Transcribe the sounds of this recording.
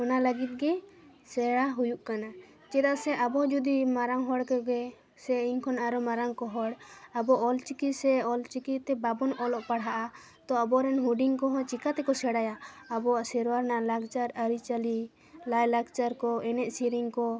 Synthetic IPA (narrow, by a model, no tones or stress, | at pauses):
ɔnaləɡit̪̚ˀɡɛ | sɛɽaɦujuʔkana | t͡ʃɛd̪aʔsɛʔabɔd͡ʒud̪imaɾaŋɦɔɽkɔɡɛ | sɛiɲkʰɔnaɾɔmaɾaŋkɔɦɔɽabɔʔɔlt͡ʃikisɛɔlt͡ʃikit̪ɛbabɔnɔlɔʔpaɽɦaʔa | t̪ɔabɔɾɛnɦuɖiŋkɔɦɔt͡ʃikat̪ɛkɔsɛɽajaːbɔaʔsɛɾwaɾnalaɡt͡ʃaɾəɾit͡ʃali | lajlaɡt͡ʃaɾkɔɛnɛʔ̚siɾiŋkɔ